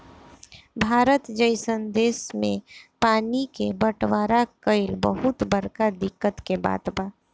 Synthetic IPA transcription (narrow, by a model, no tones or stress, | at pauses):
bʱaːɾət̪d͡ʒəɪsənd̪eːsmẽpaːnikebəʈwaːɾakəɪlbə̰ɦʊt̪bəɾkad̪ɪkːət̪keba̰ːt̪baː